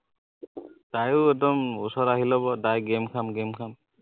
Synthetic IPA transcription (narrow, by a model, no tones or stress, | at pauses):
d̥ajʊɛt̬ɔmusɔɾaɦilɔbɔdajɡɛmkʰamɡɛmkʰam